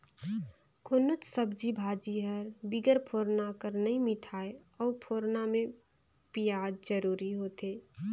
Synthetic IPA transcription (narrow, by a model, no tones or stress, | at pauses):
kʰoːnot͡ʃsəbd͡ʒibʱad͡ʒiɦəɾbiɡəɾpʰoɾnakəɾnəĩmɪʈʰaːeɔːpʰoːɾnamẽ | pijad̪d͡ʒəɾuːɾiɦot̪e